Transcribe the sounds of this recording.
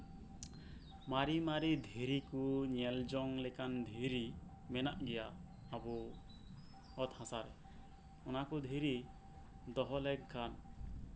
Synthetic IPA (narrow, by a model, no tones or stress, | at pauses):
maɾimaɾid̪ʱiɾikuɲɛld͡ʒɔŋlɛkand̪ʱiɾi | mɛnaʔɡɛjaː | bu | ɔt̪hãsaɾɛ | ɔnakud̪ʱiɾi | d̪ɔɦɔlɛk̚ɡʰan